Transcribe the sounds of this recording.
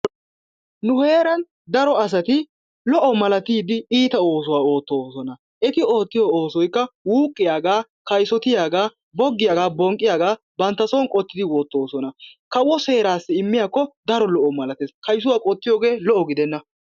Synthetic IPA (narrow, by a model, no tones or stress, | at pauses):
nʊhe̞ːɾɐn | d̪ɐɾɔɐs̬ɐt̪ɪ | lɔʔɔmɐlɐt̪iːd̪ɪiːt̪ɐo̞ːs̬ʊwaːoːt̪ːoːsɔnɐ | ʔɛt̪ɪo̞ːt̪ːɪjɔoːsɔjkːɐwuːkʼːɪjaːɡaː | kɐjsɔt̪ɪjaːɡaː | bɔɡːɪjaːɡaːbɔŋkʼːɪjaːɡaː | bɐnt̪ːɐsɔwnkʼɔt̪ːɪd̪ɪwoːt̪ːoːsɔnɐkɐwːɔse̞ːɾaːsːɪɪmːɪjaːkːɔd̪ɐɾɔlɔʔɔmɐlɐt̪eːskɐjs̬ʊwaːkʼɔt̪ːɪjoːɡe̞ːlɔʔɔɡɪd̪ɛnːɐ